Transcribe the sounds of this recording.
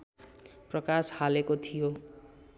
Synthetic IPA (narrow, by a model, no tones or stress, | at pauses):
prʌkashalekot̪ʰijo